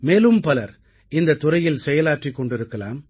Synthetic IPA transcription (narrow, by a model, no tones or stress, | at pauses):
meːlɯmpɐlɐɾ | ɪnd̪ɐt̪ːʊɾɐjɪlsɛjɐlaːʈrikːɔɳɖɪɾɯkːɐla̰ːm